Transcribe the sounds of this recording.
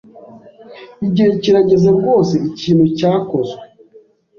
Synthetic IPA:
iɟiheciɾaɟe̞zab̚ɡo̞ːse̞iciːnhucaːkozwe

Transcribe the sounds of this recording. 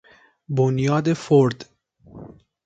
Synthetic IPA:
bonjɒːd̪e̞foɾd̪

